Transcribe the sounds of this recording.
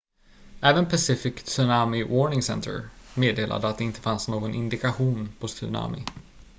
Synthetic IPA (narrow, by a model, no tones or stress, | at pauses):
ɛːvənpʰasɪfɪkt̪sɵnamɪwɔɳɪŋsɛ̰nt̪ʰə̰ɾmeːd̪eːlʔa̰d̪əat̪̚d̪ɛɪnt̪ə̥fansnoːɡɔnʔɪnd̪ɪkaɧuːnpʰɔsɵ̰na̰mɪ̰